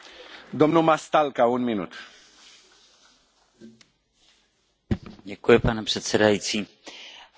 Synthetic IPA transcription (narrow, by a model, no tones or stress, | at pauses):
d̪omnumast̪alkaunminṵt̪ | ɟɛkujɛpanɛpr̥ɛt̪sɛdajit̪t͡s̪i